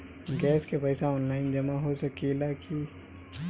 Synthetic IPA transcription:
ɡɛːskepəɪsaɔːnlaːɪnd͡ʒɐmãɦosɐkilakʰi

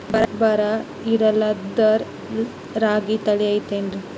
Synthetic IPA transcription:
bɐɾɐbɐɾɐ | iɾɐlɐd̪ɐɾ | ɾaːɡit̪ɐɭiɐjt̪eːnɖɾi

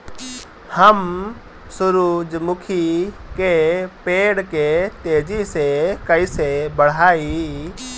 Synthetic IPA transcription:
həm | sʊɾuːd͡ʒmʊkʰikepeːɽket̪eːd͡ʒisekəisebəɽ̤aːi

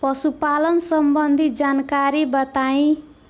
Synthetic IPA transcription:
pʌsupalʌnsʌmbʌnd̪ʱid͡zankaɾibʌt̪aĩ

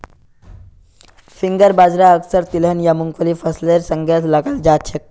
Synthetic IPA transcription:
fiŋɡəɾbad͡zɾaəksəɾt̪ilənjamuŋkʰʋəliːfəsleɾsəŋɡjat͡slaɡald͡ʑaɕʰek̚

